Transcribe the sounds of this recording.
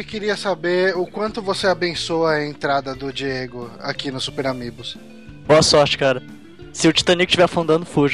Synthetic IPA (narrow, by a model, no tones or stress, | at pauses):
ekɪɾiɐsabeɾʊkwɐ̃nt̪ʊvoseabẽsoɐɐẽnt̪ɾad̪ɐd̪ʊd͡ʒieɡʊa̰kinʊsːupeɾamiɡʊs | boɐsɔɾt͡ʃɪ̥kaɾɐ | sɪʊt͡ʃi̥t̪ɐ̃nikʊ̥t͡ʃivɛfũnd̪ɐ̃nd̪ʊfuʒ